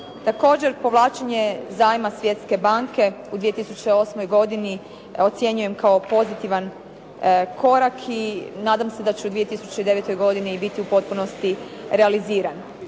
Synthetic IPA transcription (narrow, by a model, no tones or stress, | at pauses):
t̪ako̞ːd͡ʑe̞ɾpo̞ʋlˠaːt͡ʃeɲe̞zaːjmasʋje̞t̪ske̞baŋke̞ | ud̪ʋijet̪isut͡ɕeo̞smojɡo̞d̪ini | o̞t̪sjeɲuje̞mkao̞po̞zit̪iʋan | kʰo̞ɾakʰinaːd̪amse̞d̪at͡ɕuud̪ʋije̞t̪isut͡ɕe̞id̪e̞ʋet̪o̞jɡo̞d̪inibit̪iupo̞t̪̚puno̞st̪i | ɾe̞aliziːɾan